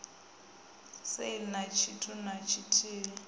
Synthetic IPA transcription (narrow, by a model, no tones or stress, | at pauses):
seilinat͡ʃʰitʰunat͡ʃʰitʰiːlɛ